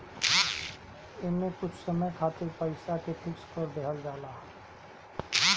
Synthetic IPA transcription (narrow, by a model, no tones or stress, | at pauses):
ɪnmẽkʊt͡ʃʰsəməjkʰaːt̪ɪɾpəɪsakeʈʰɪkskoɾd̪eɦəld͡ʒaːlaː